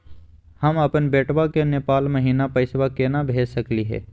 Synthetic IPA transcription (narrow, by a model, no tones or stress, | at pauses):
hɐmɐpənbeːʈwakeneːpaːlmɐɦiːnapɐɪswakenabʱeːd͡ʒsɐkliɦɛ̰ː